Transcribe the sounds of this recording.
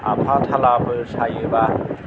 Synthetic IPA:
ʔa̰pʰat̪ʰalapʰɯsajɯba

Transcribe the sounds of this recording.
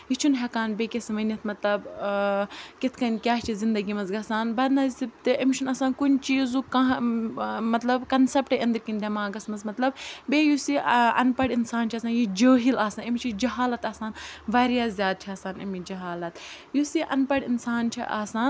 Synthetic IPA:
jit͡ʃʰunɦɐkaːnbekʲesʋɐnʲit̪ʰmɐt̪lɐb | kit̪ʰkɐnkʲaːɦt͡ʃʰizind̪ɐɡimɐzɡɐsaːnbɐd̪nɐzsib̚t̪ɨʔɐmt͡ʃʰunɐsaːnkunt͡ʃiːzukaɦ | mɐt̪lɐbkɐnsɐpʈɐʔɐnd̪ɐɾkinʲd̪ʲɐmaːɡɐsmɐzmɐt̪lɐbbeːjusiɐ̰npɐɽinsaːnt͡ʃʰɐsaːnjid͡ʒəːɦilaːsaːnɐmt͡ʃʰid͡ʒɐɦaːlɐt̪ɐːsaːnʋaːɾjaːzʲjaːd̪̚t͡ʃʰiɐːsaːnɐ̰mid͡ʒɐɦaːlɐt̪ | jusiʔɐ̰npɐɽinsaːnt͡ʃʰḭʔaːsaːn

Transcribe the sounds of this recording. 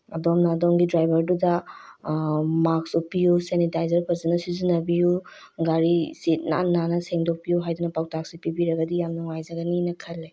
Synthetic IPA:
ɐdɔmnɐːdɔmɡidɾajbɐɾdudɐ | maksupːijusenitajzɐɾpʰɐzɐnɐsizinɐbiju | ɡaɾisit̚na̰nːanɐseŋdɔk̚pijuɦajdunɐpawtak̚sipibiɾɐɡɐdijamnɔŋajzɐɡɐninɐkʰɐlːe

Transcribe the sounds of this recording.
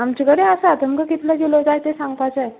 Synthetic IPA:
amt͡ɕiɡəɽeasaat̪əŋkəkit̪ləd͡ʑilod͡zaɦjt̪esãŋɡpat͡saj

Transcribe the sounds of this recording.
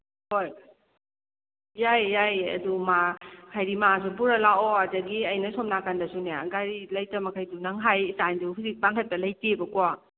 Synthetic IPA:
hoj | ajːajɐ̰dumakʰajɾimas̬ubuɾɐlaɔɐdɐɡiɐjnɐsɔmnakandɐsuneɡaɾilɐjtɐmɐkʰajdunɐŋɦajsanduɦuzik̚paŋkʰɐtːɐlɐjtebɐkɔa

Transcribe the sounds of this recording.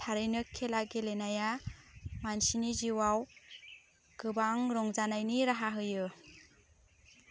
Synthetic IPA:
tʰaɾɯjnɯkʰelaɡelenaja | mansiniziwaw | ɡ̥ɯbaŋɾɔŋzanajniɾaɦaɦɯjɯ

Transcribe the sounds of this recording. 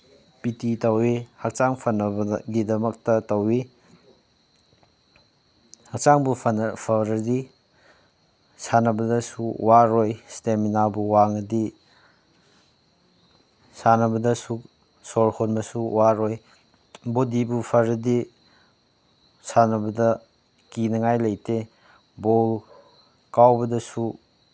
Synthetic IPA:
pititɐwihɐk̚t͡ʃaŋpʰɐnɐbɐɡidɐmɐk̚tɐtɐwi | hɐk̚t͡ʃaŋbupʰɐnpʰɐɾɐdi | sanɐbɐdɐsuwaɾojsteminabuwaŋɐdi | sanɐbɐdɐsu | soɾhonmɐsuwaɾoj | bodibupʰɐɾɐdi | sanɐbɐdɐ | kinɐŋajlɐjte | bol | kawbɐdɐsu

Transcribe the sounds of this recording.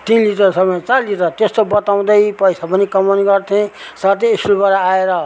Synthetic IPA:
t̪inliʈʌɾsʌmʌt͡saɾliʈʌɾt̪est̪obʌt̪aw̃d̪ʌjpʌjsapʌnikʌmoniɡʌrt̪ʰẽsat̪eːsulbaɾaaeɾʌ

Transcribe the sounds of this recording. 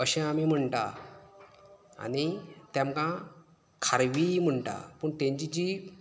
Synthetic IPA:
əɕɛ̃amim̤əɳʈa̰ | a̰nit̪jãmkã | kʰaɾʋim̤əɳʈa̰pəːɳt̪ẽɲt͡ɕid͡ʑi

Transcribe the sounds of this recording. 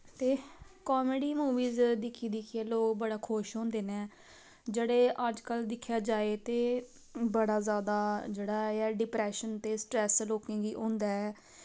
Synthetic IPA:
t̪eːkɔːmeɖiːmuːʋiːzd̪ɪkʰiːd̪ɪkʰieːloːkbəɽaːkʰʊʃɦõːnd̪eːnɛː | d͡ʒeːɽeːʔəd͡ʒkəld̪ɪkʰːjaːd͡ʒaːeːt̪eː | bəɽaːzjaːd̪aːd͡ʒeːɽaːɛːɖɪpɾɛːʃənt̪eːsʈɾɛːsloːkẽːɡiːʔõːnd̪aːɛː

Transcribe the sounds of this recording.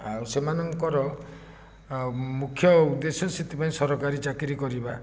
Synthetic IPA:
awsemanɔŋkɔɾɔ | mukʰjɔud̪esɔsit̪ipaĩsɔɾɔkaɾit͡ʃakiɾikɔɾiba

